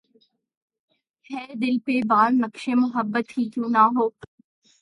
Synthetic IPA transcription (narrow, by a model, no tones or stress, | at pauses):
hɛːd̪ɪlpebaːɾnəkʃemʊɦəbːət̪ɦiːkjũːnaɦoː